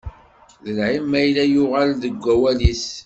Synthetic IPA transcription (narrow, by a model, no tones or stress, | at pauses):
ðəlʕimːæjlæjʊʁalðəɡʷːæwælis